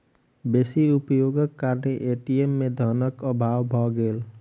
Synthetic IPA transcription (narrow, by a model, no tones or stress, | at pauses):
beːsiʊpjoɡəkːaːɾneʔeʈiemːẽd̪ʱənəkəbʱaːwbʱɔɡeːl